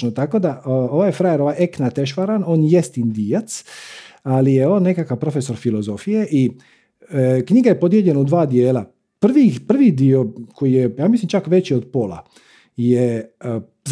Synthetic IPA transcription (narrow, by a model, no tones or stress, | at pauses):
not̪ako̞d̪aʔo̞ʋaːjfɾajeɾo̞ʋajeknat̪eʃ̬ʋaɾano̞ːnjest̪ind̪ijat̪s | alijeo̞ːnːe̞kakaʋpɾo̞feso̞ɾfilo̞zo̞fije̞ʔi | kɲiɡaje̞po̞d̪je̞ʎe̞naud̪ʋaːd̪jeːla | pr̩ʋipr̩ʋid̪io̞kʰo̞jijejaːmislimt͡ʃakʋet͡ɕio̞d̪po̞ːla̰ | je | z